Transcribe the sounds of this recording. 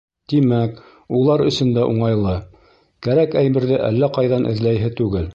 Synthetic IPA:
t̪imæk | ulˠɑɾɵ̆sɵ̆nd̪æʔuɴɑjlˠɤ | kæɾækæjmɘ̆ɾðɘʔælːæqɑjðɑnʔɘ̰̆ðlæjɦɘt̪ʉɡɘl

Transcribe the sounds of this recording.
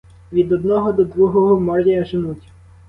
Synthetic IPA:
ʋʲid̪ɔd̪̚nɔɦɔd̪ɔd̪ɾuɦɔɦɔmɔrdʲijɐʒɪnutʲ

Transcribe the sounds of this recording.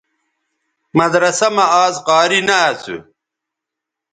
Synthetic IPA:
mɐd̪ɾɐsɐmɐaːzqɑːɾinɐːt͡sṵ

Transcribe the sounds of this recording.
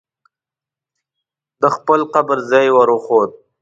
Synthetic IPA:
d̪əxpəlqabəɾzɑjwaɾoxod̪̚

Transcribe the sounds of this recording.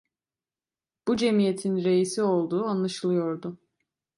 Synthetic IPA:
b̥ud͡ʒe̞mijet̪ʰinɾe̞jisio̞lˠd̪uːanlˠaʃɯlˠɯjo̞ɾd̪ʊ

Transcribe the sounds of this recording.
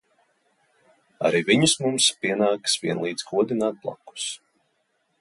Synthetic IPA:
a̰ɾiːviɲusmumspʲiɛnaːksviɛnlˠiːd̪z̥kuɔd̪inaːt̪̚blˠa̰ku̥s

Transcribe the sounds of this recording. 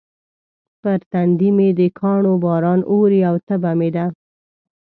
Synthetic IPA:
pəɾt̪and̪imed̪əkʰɑɳobɑɾɑnoɾiawt̪əbamed̪a

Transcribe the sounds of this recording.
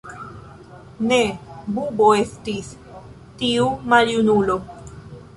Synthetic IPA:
ne̞bubo̞e̞stis | tiumaljunulo̞

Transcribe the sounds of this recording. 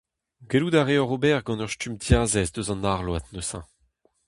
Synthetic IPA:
ɡeluːd̪aʁeɔʁobɛʁɡɑ̃nœʁstymtʰjaːzɛsd̪øzɑ̃naʁlwat̪nøsɑ̰̃

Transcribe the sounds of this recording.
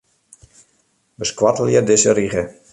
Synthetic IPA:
bəskwatəlˠjədɪsəriɣə

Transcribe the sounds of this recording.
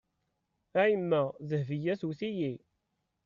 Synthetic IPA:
æjəmːæzəhvijæsuθiji

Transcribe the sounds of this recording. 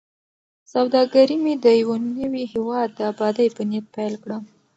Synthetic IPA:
sawd̪ɑɡaɾimid̪əjawanəwiɦɪwɑd̪̚ːəabɑd̪əjbənjat̪̚pajlkɽə

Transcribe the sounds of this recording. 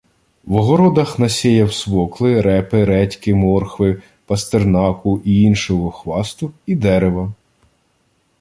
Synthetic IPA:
ʋɔɦɔɾɔd̪ɐxnɐsʲɛjɐwsʋɔklˠɪɾɛpɪɾɛtʲkɪmɔrxʋɪ | pɐst̪ernɑkʊʔiinʃɔɦɔxʋɑst̪ʊid̪ɛɾeʋɐ

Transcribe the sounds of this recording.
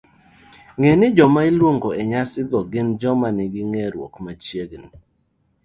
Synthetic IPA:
ŋenɪd͡ʒɔmailwoŋɡoɛɲasɪɡɔɡɪnd͡ʒɔmanɪɡɪŋɛɾwo̰kmat͡ʃjeɡni

